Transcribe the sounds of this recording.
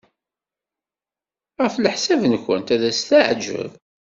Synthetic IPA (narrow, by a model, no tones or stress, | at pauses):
ʁfləħsævnkʷə̰nt̪æðæst̪aʕd͡ʒə̰v